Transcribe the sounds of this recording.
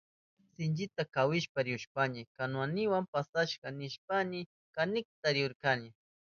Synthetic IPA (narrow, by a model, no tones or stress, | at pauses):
sɪnt͡ʃɪt̪akawɪʃpaɾɪʊʃpanɪkanwanɪwampasaʃkanɪʃpanɪ | kanɪk̚t̪aɾɪʊɾkanɪ